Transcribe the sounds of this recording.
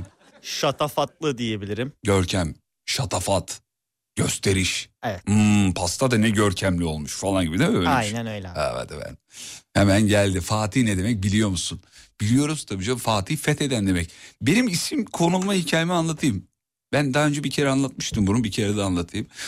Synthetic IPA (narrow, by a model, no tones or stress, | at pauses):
ʃat̪ʰafat̪lˠɯd̪ije̞bilʲiɾimɟøɾcʰæm | ʃat̪ʰafat̪ | ɟ̥øst̪ʰe̞ɾiʃevɛt̪ːpʰast̪ʰad̪anɛɟøɾcʰæmlʲio̞lˠmuʃfalˠanɟibid̪ɛøajnænøjlʲɛhɛ̰v̰d̪ɛ̰bæ̰n | hemænɟælʲd̪ifaːt̪ʰiːnɛd̪e̞mɛc̚bilʲijo̞musunb̥ilʲijo̞ɾuz̥t̪ʰabid͡ʒafaːt̪ʰiːfɛt̪ʰe̞d̪ænd̪e̞mɛcbe̞nimisimkʰo̞nulˠmahicʰaːjemianlˠat̪ʰɯjɯm | b̥ænd̪aːø̞nd͡ʒɛbicʰe̞ɾɛanlˠat̪̚mɯʃt̪ʰɯmbununbicʰe̞ɾɛd̪anlˠat̪ʰɯjɯm